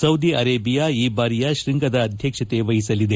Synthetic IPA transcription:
sɐwd̪iʔɐɾeːbijaːiːbaːɾijɐʃɾiŋɡɐd̪ɐːd̪ʱjɐkʂɐt̪eʋɐɦisɐlid̪e̞

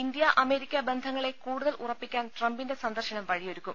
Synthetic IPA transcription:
ind̪jɐʔɐme̞ːɾikʲːɐbe̞nd̪ʱɐŋːɐɭe̞kuːɽuðɐlurɐpːikʲːaːnʈrɐmbinde̞sɐnd̪ɐrɕɐnɐmʋɐɻijoɾukʲːum

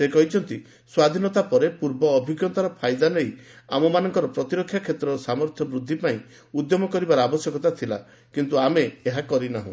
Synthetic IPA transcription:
sekɔɦit͡ʃʰɔnt̪i | swad̪ʱinɔt̪apɔɾepuɾbɔːbʱiɡjɔt̪aɾɔpʰajd̪anejamɔmanɔŋkɔɾɔpɾɔt̪iɾɔkʰːjakʰet̪ɾɔsamɔɾt̪ʰjɔbɾud̪ʱːipaĩ | ud̪jɔmɔkɔɾibaɾɔabɔsjɔkɔt̪at̪ʰila̰ | kint̪uameːɦakɔɾinaɦṵ̃

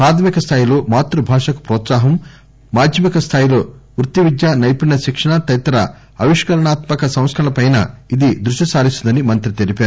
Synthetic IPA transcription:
pɾaːd̪ʰɐmikɐst̪ʰaːjilo̞ːmaːt̪ɾubʱaːʂɐku̥pɾɔːt̪saːɦɐmː | aːd̪ʱjɐmikɐst̪ʰaːjilo̞ːʋɾut̪ːiʋid̪jaːnɐjipinɐʃikʂɐɳat̪ɐjt̪ɐɾɐ̰ | ɐʋiʂkɐɾɐɳaːt̪mɐkɐsɐ̃w̃skʰɐɾɐlɐpɐjna̰id̪id̪ɾuʂisaːɾist̪und̪ɐnimɐnt̪ɾit̪elipeaːɾu

